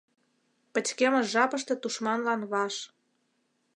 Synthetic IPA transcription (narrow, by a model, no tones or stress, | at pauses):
pə̆t͡ɕkemə̆ʒɑpəʃt̪ĕt̪uʃmɑnlɑnβɑʃ